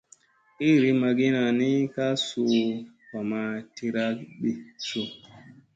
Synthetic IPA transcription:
i˦˨ɾi˦ma˧ɡi˦na˨ni˦ka˦su˨ | ka˨ma˨ti˧ɾa˦kɓi˨su˨

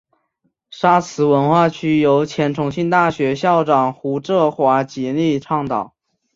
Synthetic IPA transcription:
ʂa˥t͡sʰɹ̩˧˥wə˧˥nxwa˥˩t͡ɕʰy˥jo˧˥ʊt͡ɕʰjɛ˧˥nʈ͡ʂʰʊ˧˥ŋɕi˥˧nt̪a˥˩ɕɥɛ˧˥ɕjɑ˥˩ʊʈ͡ʂɑ˨˩ŋxu˧˥ʈ͡ʂɤ˥˩xwa˧˥t͡ɕi˧˥li˥˧ʈ͡ʂʰɑ˥˩ŋt̪ɑ˨˩˦ʊ

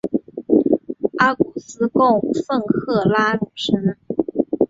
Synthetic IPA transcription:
a˥ku˨˩sɹ̩˥kʊ˥˧ŋfə˥˧ŋkʰɤ˥˩la˥nu˨˩ʂɻ̩˥nə˧˩

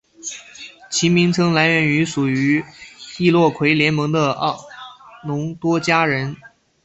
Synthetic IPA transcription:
t͡ɕʰi˧˥mi˧˥ŋt͡sʰɤ˥ŋla˧˥ɪɥɛ˧˥ny˧˥ʂu˨˩y˧˥i˥˧lwɔ˥˩kʰwe˧˥ɪljɛ˧˥nmɤ˧˥ŋd̪ə˧ɑ˥˩nʊ˧˥ŋt̪wɔ˥t͡ɕja˥ɻə˧˥n

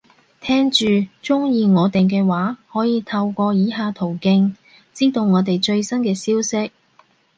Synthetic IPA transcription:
t̪ʰɛː˥ŋt͡ʃyː˨t͡ʃʊ˥ŋjiː˨˧ŋɔː˨˧t̪ɪ˨˩ŋk̬ɛː˧waː˨˥hɔː˨˥jiː˨˧t̪ʰɐ˧wkʷɔː˧jiː˨˧ɦaː˧t̪ʰo˨˩wkɪ˧ŋ | t͡siː˥t̪o˨˧wŋɔː˨˧t̪e˨jt͡ʃɵ˧ɥsɐ˥nkɛː˧siː˥wsɪ˥k̚

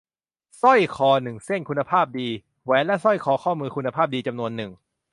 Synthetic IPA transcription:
sɔ˥˩jkʰɔː˨˧nɯ˨˩ŋse˥˩nkʰu˧nːa˧pʰaː˥˩p̚diː˧ | wɛː˨˦nlɛ˦˥sɔ˥˩jkʰɔː˨˩˦kʰɔː˥˩mɯː˧kʰu˧nːa˧pʰaː˥˩p̚diː˧t͡ɕa˧mnu˧ənːɯ˨˩ŋ

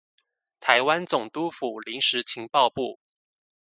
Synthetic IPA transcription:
t̪ʰa˧˥ɪwa˥nt͡sʊ˨˩ŋt̪u˥fu˨˩li˧˥ŋʂɻ̩˧˥t͡ɕʰi˧˥ŋpɑ˥˧ʊpu˥˩

